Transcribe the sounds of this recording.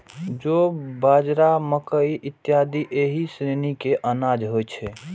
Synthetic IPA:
d͡ʒobaːd͡ʒɾaməkəiʔɪt̪ːjaːd̪iʔeɦisɾenikeʔənaːd͡ʒɦojt͡ʃʰɛ

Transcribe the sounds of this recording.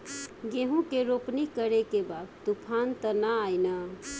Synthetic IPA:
ɡeɦũkeɾopnikəɾekebad̪̚t̪upʰant̪ənaajnə

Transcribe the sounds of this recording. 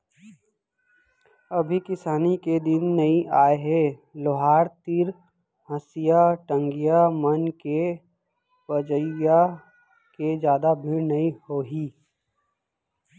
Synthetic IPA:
ɐbʱikɪsaːniked̪ɪnːɐĩʔaːeɦeloɦaːɾt̪ɪɾ | ɦəsijaʈə̃ŋɡijamɐnke | pəd͡ʒəja | ked͡ʒjaːd̪abʱiɾnɐĩhoːɦiː

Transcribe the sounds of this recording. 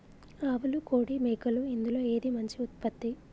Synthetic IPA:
aːʋɐlukoːɽimejkɐluind̪ulo̞ːe̞ːd̪imɐɲt͡ʃiut̪̚pɐt̪ːi

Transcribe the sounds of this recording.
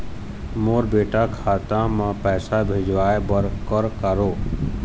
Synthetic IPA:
moːɾbeːʈaːkʰaːt̪ãːmãːpɛːsaːbʱeːd͡ʒʱʋaːebəɾkəɾkəɾoː

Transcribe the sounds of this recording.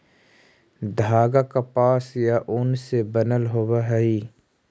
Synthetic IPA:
d̪ʱaːɡakapaːsjaʔʊnsebənəlɦoːwaɦɛi

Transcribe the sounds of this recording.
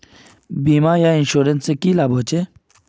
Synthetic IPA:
biːmaːjainɕuːɾensekilaːboːt͡ɕe

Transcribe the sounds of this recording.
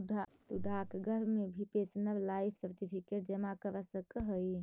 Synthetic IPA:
at̪uɖʱakɡʱəɾmebʱipesnəblajpʰsəɾʈipʰikeʈ̚d͡ʒəmakəɾəsəkəɦəj

